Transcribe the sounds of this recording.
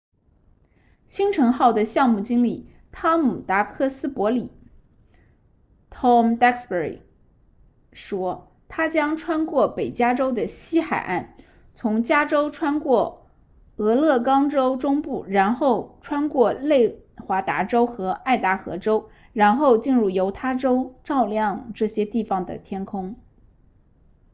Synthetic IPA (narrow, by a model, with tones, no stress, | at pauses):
ɕi˥ŋʈ͡ʂʰɤ˧˥ŋxɑ˥˩ʊd̪ə˩ɕjɑ˥˧ŋmu˥˩t͡ɕi˥ŋli˥˩ | t̪ʰa˥mu˨˩t̪a˧˥kʰɤ˥˩sɹ̩˥pwɔ˧˥li˨˩˦ | t̪ʰɔ˥˧mt̪a˥kspə˧˥ɹḭ˨˩ | ʂwɔ˥ | t̪ʰa˥t͡ɕjɑ˥ŋʈ͡ʂʰwa˥nkwɔ˥˩pe˨˩ɪt͡ɕja˥ʈ͡ʂo˥ʊd̪ə˨ɕi˥xa˨˩ɪʔa˥˩n | t͡sʰʊ˧˥ŋt͡ɕja˥ʈ͡ʂo˥ʊʈ͡ʂʰwa˥nkwɔ˥˩ | ɤ˧˥lɤ˥˩kɑ˥ŋʈ͡ʂo˥ʊʈ͡ʂʊ˥ŋpu˥˩ɻa˧˥nxo˥˩ʊʈ͡ʂʰwa˥nkwɔ˥˧le˥˩ɪxwa˧˥t̪a˧˥ʈ͡ʂo˥ʊxɤ˧˥a˥˩ɪt̪a˧˥xɤ̰˧˥ʈ͡ʂo˥ʊ | ɻa˧˥nxo˥˧ʊt͡ɕi˥˧nɻu˥˩jo˧˥ʊt̪ʰa˥ʈ͡ʂo˥ʊʈ͡ʂɑ˥˧ʊljɑ˥˧ŋʈ͡ʂɤ˥˩ɕjɛ˥t̪i˥˩fɑ˩ŋd̪ə̰˩t̪ʰjɛ˥nkʰʊ˥ŋ